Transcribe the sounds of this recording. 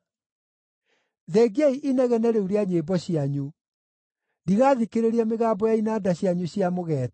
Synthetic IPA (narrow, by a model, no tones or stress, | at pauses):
ðeːɡiaiʔinɛɣɛnɛɾeuɾeaɲebɔɕjaɲu | diɣaːðikeɾeɾiɛmeɣaːbɔjainaːdaɕjaɲuɕjamoɣɛt